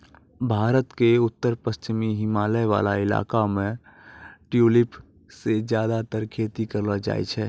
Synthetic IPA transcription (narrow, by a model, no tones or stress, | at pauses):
bʱaːɾət̪keʊt̪ːəɾpəst͡ʃɪmiɦɪmaːləjʋa̰laɪla̰kamẽ | ʈjulipʰ | sed͡ʒjad̪at̪əɾkʰet̪ikəɾləd͡ʒa̰ːjt͡ʃʰɛː